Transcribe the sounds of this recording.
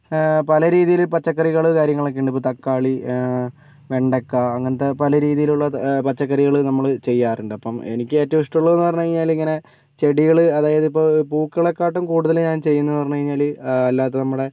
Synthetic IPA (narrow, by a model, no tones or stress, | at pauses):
pɐlɐɾiːðijilpɐt͡ɕːɐkːɐriɣɐɭɨkaːɾjɐŋːɐɭokːeɳɖɨip̬ːoːt̪ɐkːaːɭi | ʋe̞ɳɖekːɐːŋːɐnet̪ːepɐlɐɾiːðijiluɭːɐpɐt͡ɕːɐkːɐriɣɐɭɨnɐmːɐɭt͡ɕe̞jːaːruɳɖɨɐpːɐmenikʲːɨetːɐʋiʂʈuɭːɐðenːɨpɐrɐɲːukɐɻiɲːaːliŋːɐne̞ | t͡ɕe̞ɽiɣɐɭɨɐðaːjɐðipːopuːkːɐɭekːaːʈːumkuːɽuðɐlɲaːnt͡ɕe̞jːunːupɐrɐɲːukɐiɲːaːlɐlːaːt̪ːenɐmːuɽe̞